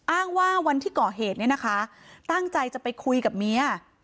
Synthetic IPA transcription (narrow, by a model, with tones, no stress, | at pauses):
ʔaː˥˩ŋwaː˥˩wa˧nt̪ʰiː˥˩kɔː˨˩ɦeː˨˩t̪̚ni˥˩na˦˥kʰa˦˥t̪a˥˩ŋt͡ɕa˧jt͡ɕa˨˩pa˧jkʰu˧jka˨˩p̚mi˦˥ɐ˩